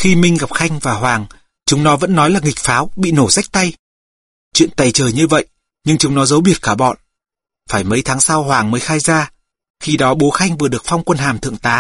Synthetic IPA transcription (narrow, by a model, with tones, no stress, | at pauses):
xi˧mï˧ŋ̟ɣa˨˩p̚xa˧jŋ̟vaː˨˩ɦwaː˨˩ŋ | t͡ɕʊ˨˦ŋ͡mnɔ˨˦və̰˧˥nːɔ˨˦jlaː˨˩ŋi˨˩k̟̚faː˨˦wɓḭ˧˨no˧˩za˦˥jk̚t̪a˧j | t͡ɕwḭ˧˨ənt̪a˨˩jt͡ɕəː˨˩jɲɨ˧və̰˧˨jʔ | ɲɨ˧ŋt͡ɕʊ˨˦ŋ͡mnɔ˨˦zə˨˦wɓi˨˩ət̚kaː˧˩ɓɔ̰˧˨n | faː˧˩jmə˨˦jt̪ʰaː˨˦ŋsa˧wɦwaː˨˩ŋməː˨˦jxaː˧jzaː˧ | xi˧ɗɔ˨˦ɓo˨˦xa˧jŋvɨ˨˩əɗɨ˨˩ək̚fa˧wŋ͡mkwə˧nɦaː˨˩mt̪ʰɨ̰˧˨əŋt̪aː˨˦